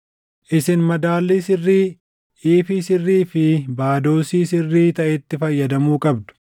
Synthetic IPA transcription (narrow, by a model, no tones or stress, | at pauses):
ʔɪsɪnmɐd̪aːlːiːsɪrːiː | iːfiːsɪrːiːfɪbaːd̪o̞ːsiːsɪrːiːt̪ɐʔɛt̪ːɪfɐjːɐd̪ɐmuːkʼɐb̚d̪ʊ̥